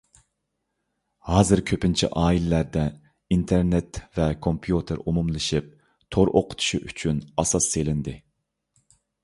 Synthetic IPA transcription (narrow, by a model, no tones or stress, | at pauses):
hɑːzɨɾkʲʰøpɪnt͡ʃʰḭʔɑːilɪlæɾd̪ɛ | int̪ʰeɾnet̪vɛkʰompʰjut̪ʰɪɾumumlˠɨʃip̚ | t̪ʰoɾʔo̰qʰʊ̥t̪ʰu̥ʃiʔyt͡ʃʰynɑsɑsːelɪnd̪ɪ